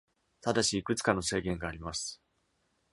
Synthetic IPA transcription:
t̪ad̪aɕiːkɯ̟t͡sɨ̥kano̞se̞ːɡẽ̞ŋɡaːɾʲimasɨ̥

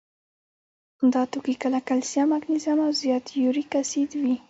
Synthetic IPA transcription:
and̪ɑt̪okikəlakalsijɑmaɡnizamawzjɑt̪juɾikasid̪wi

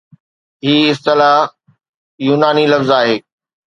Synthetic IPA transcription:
ɦiːɪst̪ɪlaɦ | juːnaːnilɐfzaːɦeː

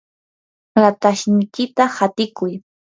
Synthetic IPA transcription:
ɾat̪aʃnɪjkɪt̪ahat̪ɪkʊj

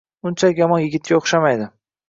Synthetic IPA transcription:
ʊnt͡ʃʰalkʲjɒmɒnjɪɡʲɪt̪̚kʲaoχʃamajd̪ɪ

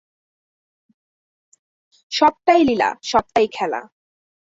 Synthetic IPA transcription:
ʃɔb̚ʈ̪ajlila̰ʃɔb̚t̪ajkʰɛla̰

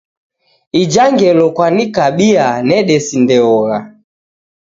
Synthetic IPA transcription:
id͡ʒaŋɡɛlɔkwanikaɓianɛɗɛsindɛɔɣa

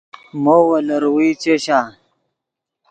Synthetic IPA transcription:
mowɐləɾwit͡ɕeɕa

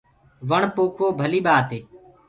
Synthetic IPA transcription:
ʋəɳpoːkʰoːbʱəliːɓaːt̪eː

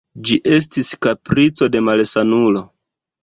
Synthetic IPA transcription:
d͡ʒiʔe̞s̬tiskapɾit͡so̞de̞malsanulo̞

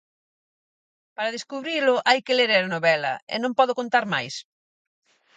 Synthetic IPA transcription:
paɾɐðeskuβɾilʊʔajkeleɾeɾanoβɛlɐ̰ḛnõmpɔðokõnt̪aɾmajs

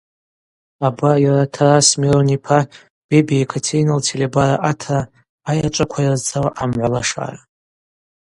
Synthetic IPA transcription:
abajaɾatʰarasmironipʰa | b̥ebiekʰatʰejnaltʰelebaɾaʔatʰraː | jat͡ʃʷʼakʷʰajazt͡sʰawaʔamʕʷalaʂa̰ra

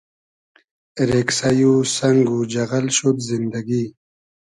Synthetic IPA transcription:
ɾeksajusaŋɡud͡ʒaɣalʃut̪zind̪aɡi

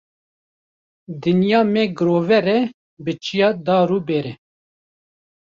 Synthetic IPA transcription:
d̪ɨnjɑːmɛɡɨɾoːvɛɾɛ | bɨt͡ʃijɑːd̪ɑːɾuːbɛːɾɛ

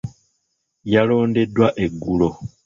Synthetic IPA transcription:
jalo̞ːnde̞dːwaʔe̞ɡːulo

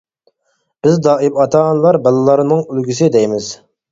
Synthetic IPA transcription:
b̥ɪzd̪ɑːɪbɑt̪ʰɑʁɑnlˠɑɾbɛlˠɨlˠɑɾnɨŋylɡʲysɪd̪ɛjmɪz̥

